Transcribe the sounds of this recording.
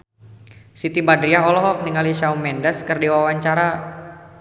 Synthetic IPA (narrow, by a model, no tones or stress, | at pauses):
sit̪ibadɾiaɦɔlɔɦɔk̚niŋaliʃaumɛndɛskərdiwawaɲt͡ʃaɾa